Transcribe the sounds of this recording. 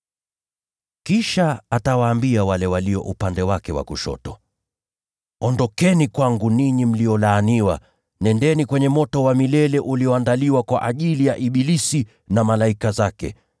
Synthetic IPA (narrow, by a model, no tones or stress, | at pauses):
kiʃaatawaːmbiawalɛwaliɔ̰ʔupandɛwakɛwa̰kuʃɔ̰tɔ | ɔndɔkɛnikwaŋɡuniɲim̩liɔlaːniwa̰ | nɛndɛnikwɛɲɛmɔtɔwamilɛlɛʔuliɔandaliwakwaʔaʄilijaʔiɓilisi | namalaikazakɛ̰